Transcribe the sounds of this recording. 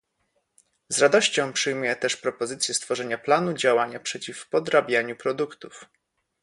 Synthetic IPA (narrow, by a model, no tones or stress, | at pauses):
zɾad̪ɔɕt͡ɕɔ̃w̃pʂɘjmujɛt̪ɛʂpɾɔpɔzɘt̪sʲjɛst̪fɔʐɛɲaplanud͡ʑawaɲapʂɛt͡ɕifpɔd̪ɾabʲjaɲupɾɔd̪ukt̪uf